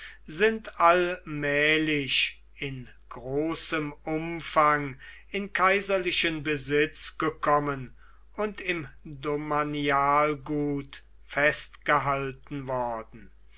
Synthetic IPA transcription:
zɪntʰalmɛːlɪʃ | ɪn | ɡ̥ʁoːsəmʊmfaŋ | ɪnkʰaɪzɐlɪʃənbəzɪt͡sɡ̥əkʰɔmən | ʊntɪmdomaniaːlɡuːt | fɛstɡ̥əɦaltn̩vɔɐdn̩

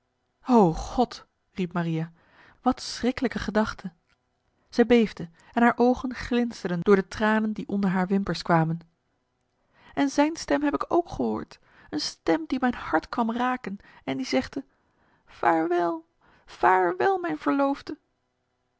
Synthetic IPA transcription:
owχɔt | ripmaria | ʋɑtsrɪkələkəχədɑχtʰə | z̥ɛjbejvdə | ɛnɦaːɹʔowχənχlɪnstəɹdəndʊːɹdətraːnəndiʔɔndəɹɦaːɹʋɪmpəɹskʋaːmən | ɛnzɛjnstɛmɦɛpɪkowkχəɦo̰ːɹt | ənstɛmdimɛjnhɑɹtkʋɑmraːkənɛndizɛχdə | faːɹʋɛlˠ | faːɹʋɛlˠmɛjnv̥əɹlowfdə

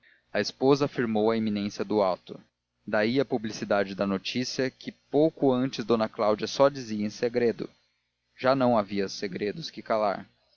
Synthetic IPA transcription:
ɐespozɐːfiɾmowɐeminẽsjɐd̪ʊawt̪ʊ | d̪aiɐpublisid̪ad͡ʒɪd̪ɐnot͡ʃisiɐkʰɪpowkʊɐ̃nt͡ʃɪzd̪õnɐklawd͡ʒɐsɔd͡ʒiziɐẽseɡɾed̪ʊ̰ | ʒ̥anɐ̃w̃aviɐseɡɾed̪ʊskɪkala̰ɾ

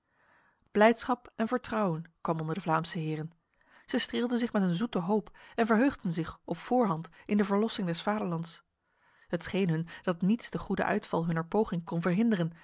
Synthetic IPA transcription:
b̥lɛjtsχɑpɛnvəɹtrɑwənkʋɑmɔndəɹdəvlaːmsəɦɪːrən | z̥ɛjstreːlˠdənzɪχmɛtənzutəɦowpɛnvəɹɦøɥχdənzɪχɔpfʊːɹɦɑntʔɪndəvəɹlɔsɪŋdɛsfaːdəɹlɑnts | hətsχejnɦɵnd̥ɑtnitsd̥əχudə̰ʔœ̰ɥtfɑlˠɦɵnəɹpowχɪŋkɔnvəɹɦɪndərən

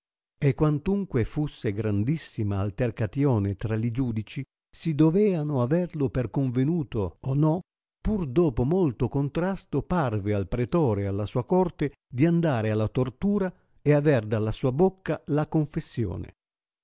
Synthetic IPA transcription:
ekːwant̪uŋkwefusːeɡɾand̪isːimaːlt̪erkat̪jɔːnet̪ɾalid͡ʒuːd̪it͡ʃi | sid̪ovɛːanʊavɛrlʊperkoɱvenuːt̪oːnɔ | purd̪ɔːpomolt̪okont̪ɾast̪oparvealpɾet̪ɔːɾealːasuːakɔrt̪e | d̪iand̪aːɾealːat̪ort̪uːɾa | eavɛrd̪alːasuːabokːalakoɱfesːjɔ̰ːnḛ

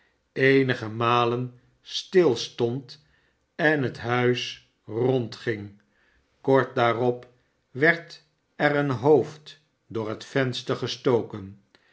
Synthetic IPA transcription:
ejnəχəmaːlən | stɪlˠstɔnt | ɛnɦətɦœɥs | rɔntχɪŋ | kɔɹt̚daːrɔp | ʋɛɹt | ɛrənɦowft | dʊːɹɦətfɛnstəɹχəstoːkən

